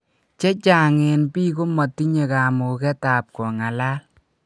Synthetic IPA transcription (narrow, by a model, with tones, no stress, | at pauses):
t͡ʃɛ˦t͡ʃa˨ŋɪ˨npiː˦k̬o˦ma˨ti˦ɲe˨ka˨mo˨kɛ˦ta˨p̚kɔ˨ŋa˨la˦l